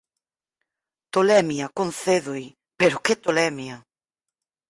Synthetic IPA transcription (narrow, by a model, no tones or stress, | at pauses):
t̪olɛmjɐkon̟θeðoj | peɾoket̪olɛmjɐ